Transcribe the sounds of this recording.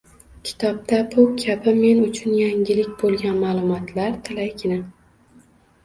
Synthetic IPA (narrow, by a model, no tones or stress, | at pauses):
kʲʰɪ̥t̪ʰɒp̚t̪abʊkʲʰabɪme̞nʊt͡ʃʰʊnjaŋɡʲɪlɪkʲbolˠɡʲanmaːlˠʊmɒt̪ʰlaɾt̪ʰɪlajkʲʰɪnɪm